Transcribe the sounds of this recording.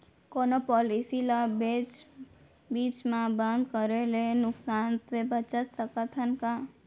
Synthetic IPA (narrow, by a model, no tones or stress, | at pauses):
koːnopɔːlisilabeːt͡ʃ | biːt͡ʃmãbə̃nd̪kəɾelenʊksaːnsebət͡ʃət̪səkət̪ʰənka